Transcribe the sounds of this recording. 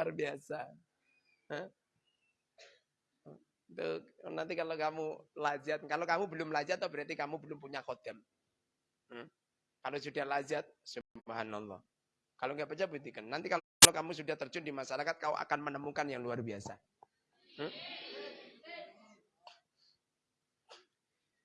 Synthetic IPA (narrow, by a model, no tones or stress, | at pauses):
arbiasa | əh | t̪ṵnant̪ikalokamulad͡ʒat̪̚kalokamubəlʊmlad͡ʒat̪ːɔbəɾat̪ikamubəlʊmpuɲakɔt̪ɛm | kalosudahlad͡ʒat̪̚subɦanalːɔ̰h | kaloŋɡaʔpad͡ʒabut̪ikənːant̪ika | lokamusudaht̪ərt͡ʃundimasaɾakat̪̚kaṵʔa̰kanmənəmukanjaŋluarbiasa̰ | m̩